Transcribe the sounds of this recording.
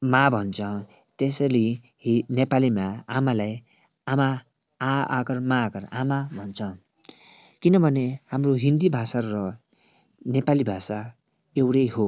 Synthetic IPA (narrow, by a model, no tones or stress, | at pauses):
mabʱʌnt͡sʰʌ | t̪esʌli | nepalimaamalaj | ama̰ː | ɡʌrmaɡʌra̰mabʱʌnt͡sʰʌ | kinʌbʱʌnehamroɦind̪ibʱasaːʌ | nepalibʱasa | ewɽʌjɦo